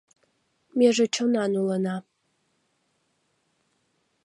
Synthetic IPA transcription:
meʐɐt͡ʃʰɐnaːnulɐna

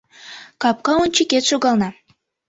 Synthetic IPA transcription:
kɑp̚kɑunt͡ɕiket̪ʃoɣɑlˠnɑ

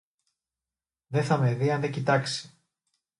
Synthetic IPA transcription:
ðeθɐme̞ðiɐnðecit̪ɐksi̥

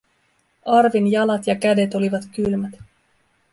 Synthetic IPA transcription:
ɑrʋinjɑlɑt̪jɑkæde̞t̪o̞liʋɑt̪kylmæt̪

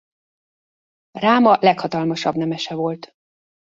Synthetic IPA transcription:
raːmɒlɛkhɒt̪ɒlmɒʃɒbnɛmɛʃɛvo̞lt̪

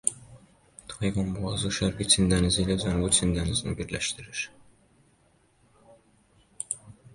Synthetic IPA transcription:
t̪ʰɑjɡombuɑzuʃæɾbit͡ʃ̪ʰind̪ænizijlæd͡ʒænbut͡ʃ̪ʰind̪ænizinḭbiɾlæʃt̪iɾiɾ̥

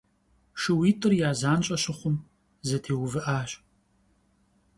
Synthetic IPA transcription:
ʂɨwiːtʼɨrjaːzaːnt͡ʃʼɐɕɪχʷʊm | zɐtʰeːwʊvɨʔaːɕʼ

